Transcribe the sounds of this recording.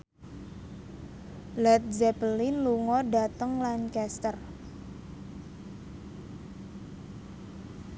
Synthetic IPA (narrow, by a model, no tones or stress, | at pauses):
lɛt̪̚zɛpəlinluŋɔɖat̪əŋlankɛst̪ər